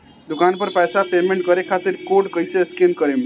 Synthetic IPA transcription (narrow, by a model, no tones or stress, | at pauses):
d̪ukanpəɾpɛsapemẽɳʈ̚kəɾekʰat̪iɾkoɖkəjseskenkəɾem